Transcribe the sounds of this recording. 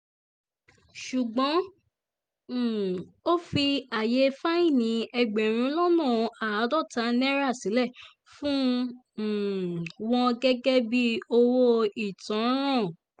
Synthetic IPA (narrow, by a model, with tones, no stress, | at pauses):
ʃu˨ɡ͡bɔ̃˨˦˨ | o˦fi˧a˨je˨˧˦fa˦ĩ˦˨nĩ˨˦ɛ˧ɡ͡be˨ɾ̃ĩ˨˦lɔ˦nũ˦˨˧a˨a˨˦dɔ˦˨ta˧˦nɛ̃˦ɾa˦˨sĩ˨˦lɛ˦˨ | fũ˦˨ | wɔ̃˧ɡɛ˦ɡɛ˦bi˦o˧wo˧i˨tɔ̃˨˦ɾ̃ã˦˨